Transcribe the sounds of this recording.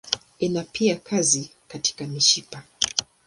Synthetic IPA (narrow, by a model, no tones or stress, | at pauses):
inapiakʰazikati̥kamiʃipa